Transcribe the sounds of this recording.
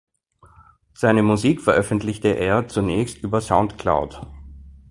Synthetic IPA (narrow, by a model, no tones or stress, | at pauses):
z̥aɪnəmuziːkfɛɐʔœfən̩tlɪçtəʔeːɐt͡sunɛːçstʔyːbɐsaʊ̃ntkʰla̰ʊt